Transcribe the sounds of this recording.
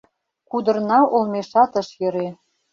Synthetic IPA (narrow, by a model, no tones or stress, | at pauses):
kud̪ɤ̆rnɑʔolˠmeʃɑt̪ɤ̆ʃjø̆ɾe